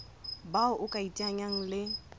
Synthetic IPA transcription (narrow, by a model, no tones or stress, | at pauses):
baʊʔʊkʼaitʼaɲaŋ̩lɪ